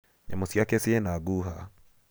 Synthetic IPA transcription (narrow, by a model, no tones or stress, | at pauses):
ɲamosjakeseenaɡuɦa